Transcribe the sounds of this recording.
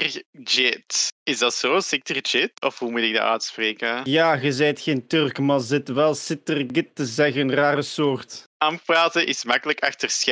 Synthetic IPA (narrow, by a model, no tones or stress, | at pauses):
rd͡ʒɪtɪzdɑtsoːsɪk̚tərd͡ʒɪtɔfhumutɪɡ̚da̰ʔœ̰ːtspreːkəjaːɣəzɛjtxeːntørkmazɪtʋɛlˠsɪtərɡɪtːəzɛɣəənraːrəsoːrtampraːtənʔɪsmɑkələkɑxtərsx